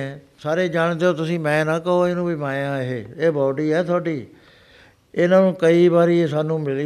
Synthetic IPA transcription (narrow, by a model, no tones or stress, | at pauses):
saːɾeːd͡ʒaːɽd̪eoːt̪ʊsĩːmɛ̃ːnãːkəɦoːɪnũːbʱiːmaːjãːɦeːeːbɔːɖiːɛːt̪ʰoːɖiː | ɪnãːnũːkəiːbaːɾiːesaːnũːmɪli